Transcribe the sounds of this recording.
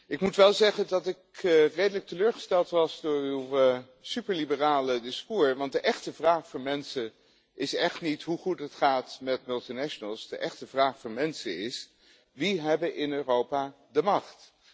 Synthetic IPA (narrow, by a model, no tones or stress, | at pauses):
ɪkmutʋɛlˠzɛχəndɑtɪkrejdələk̚təløːɹχə̥stɛlˠtʋɑsdʊːɹywə | sypəɹlibəraːlədɪskuːɹʋɑnt̚dəʔɛχtəvraːχfʊːɹmɛnsən | ʔɪsɛχtnitɦuχutɦətχaːtmɛtmɵlˠtinɛʃənəlˠsdəʔɛχtəvraːχfʊːɹmɛnsəɪs | ʋiɦɛbəʔɪnøːrowpaː | dəmɑχt